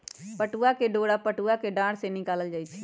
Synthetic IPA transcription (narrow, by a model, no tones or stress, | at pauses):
pəʈuakeɖoːɽapəʈuakeɖãːɽsenɪkaːləld͡ʒaːit͡ʃʰi